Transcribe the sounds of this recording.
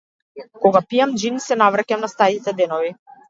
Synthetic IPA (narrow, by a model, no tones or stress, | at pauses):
kɔɡapijamd͡ʒinisɛnavɾacamnast̪aɾit̪ɛd̪ɛnɔvi